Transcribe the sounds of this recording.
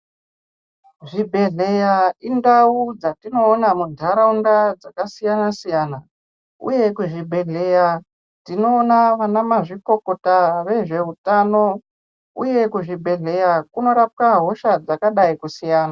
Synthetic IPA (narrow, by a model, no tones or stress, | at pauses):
ʐibʱe̞ɮe̞jaindaud͡zatino̞ːnamudʱaɾaundad͡zakasijanasijaːna | ṵje̞kuʐibʱe̞ɮe̞ja | tino̞ːnaʋanamaʐiko̞ko̞taʋe̞ʐe̞utano̞ | ṵje̞kuʐibʱe̞ɮe̞jakuno̞ɾap̚kaɦo̞ʃad͡zakaɗaikusijaːna